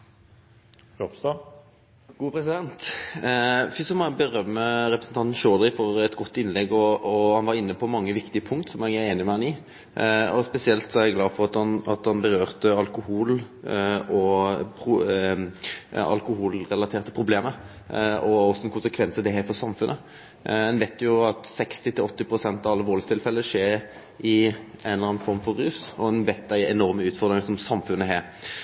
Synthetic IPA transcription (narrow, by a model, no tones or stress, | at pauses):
ɔpst̪ɑ | ɡ̥uːpʰɾɛsɪd̪ɛnt̪ | fɪsɔmɔbəɾœmːəɾɛpɾəsən̩t̪ʰɑnt̪n̩ʃoːd̪ɪfɔɾɛt̪ɡɔt̪ːɪnlɛɡɔɔhɑnʋɑɾɪnːəpʰɔmɑŋːəʋɪkt̪ɪəpʰʊŋkt̪sɔmɛæɪeːnɪmɛhɑnɪ | ɔspɛsɪɛlt̪sɔæɾɛɡlɑːfɔɾɑt̪ɑnɑt̪hɑnbəɾøːʁt̪əɑlkʊhuːl | ɔpʰʊ | ɑ̰lkʊhuːlɾɛlɑt̪ʰeːʁt̪ə̥pʰʁʊbleːmə | ɔɔsːɔɛnkʰʊnsəkʰʋɛnsəd̪ɛɦæːɾfɔsɑmfʉnʔə̰ | ɛnʋɛɪt̪jʊɑt̪sɛkst̪ɪt̪ʰɪlɔt̪ːɪpʰɾʊsɛnt̪ɑʋɑlːəʋoːlst̪ʰɪlfɛlːəəʂeːɾ | ɪæɪnlɑnfɔɾmfɔɾːʉːsɔɛnʋɛɪt̪̚ːæɪɛnɔɾməʉːt̪fɔʁd̪ɾʁɪŋsɔmsɑmfʉnːəɦæːɾ